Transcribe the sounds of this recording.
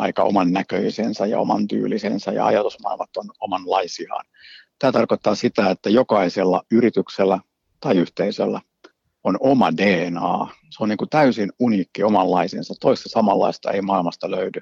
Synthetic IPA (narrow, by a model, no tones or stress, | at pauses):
ɑikɑo̰mɑnːækø̰isensæjɑ̰o̰mɑ̰nt̪y̰ːlisḛnsæjɑ̰ɑ̰jɑt̪usmɑ̰ilmɑt̪ːonomɑnlɑisiɑ̰ːn | t̪æːt̪ɑrkot̪ːɑːsit̪æet̪ːæjokɑiselːɑyɾit̪ykselːæ | t̪ɑiyht̪eisø̰lːæ | onomɑdeːnɑ̰ː | seoniːŋkut̪æysinuniːkːiomɑlːɑisḛnsɑt̪tːoist̪ɑsɑmɑlːɑ̰ist̪ɑ̰ḛimɑilmɑst̪ɑløydy